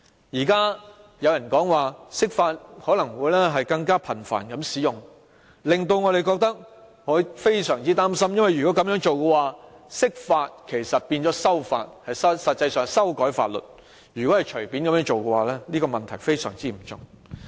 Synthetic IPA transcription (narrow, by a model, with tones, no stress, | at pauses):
jiː˨˩kaː˥ | jɐ˨˧wjɐ˨˩nkɔː˨˥ŋwaː˨sɪ˥k̚faː˧t̚hɔː˨˥lɐ˨˩ŋwuː˨˧jlɛː˥ɦɐ˨jkɐ˧ŋkaː˥pʰɐ˨˩nfa̰ː˨˩nkɐ˨˥msiː˨˥jʊ˨ŋ | lɪ˨ŋt̪o˧wŋɔː˨˧ɾe˨jkɔː˧k̚t̪ɐ˥k̚ | ŋɔː˨˧˥jfe˥jsœː˨˩ŋt͡siː˥t̪aː˥msɐ˥mjɐ˥nwɐ˨˩jyː˨kɔ˨˥kɐ˨˧mjœː˨˥ŋt͡ʃo˨wkɛː˧waː˨sɪ˥k̚faː˧t̚kʰe˨˩jsɐ˨t̚piː˧nt͡ʃɔː˨˥sɐ˥wfa̰ː˧t̚hɐ˨jsɐ˥sɐ˨t̚t͡sɐ˧jsœː˨ŋsɐ˥wkɔː˨˥jfaː˧t̚lɵ̰˨t̚ | jyː˨˩kɔː˨˥hɐ˨jt͡ʃʰɵ˨˩ɥpiː˨˥nkɐ˨˧mjœː˨˥ŋt͡ʃo˨wkɛ˧waː˨˩lɛː˥liː˥kɔː˧mɐ˨nt̪ʰɐ˨˩jfe˥jsœ̰ː˨˩ŋt͡siː˥m̩˨˩t͡sʊ̰˨˩ŋ